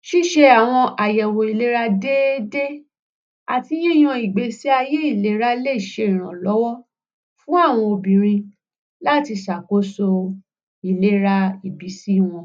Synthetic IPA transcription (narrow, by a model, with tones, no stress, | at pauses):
ʃi˦ʃe˧a˨w̃ɔ̃˧ʔa˨jɛ˨wo˨i˨le˦ɾa˧de˦de˦ | a˨ti˧j̃ĩ˦˨j̃ɔ̃˧i˨ɡ͡be˨si˦a˧je˦i˦˨le˨˦ɾa˦le˦i˨ʃe˧i˨ɾ̃ã˨lɔ˨˦wɔ˦ | fũ˦a˦˨w̃ɔ̃˧o˧bĩ˨ɾ̃ĩ˧ | la˦˨ti˧ʃa˨ko˨˦so˧ | i˨le˦ɾa˧i˨bi˨˦si˦˨w̃ɔ̃˧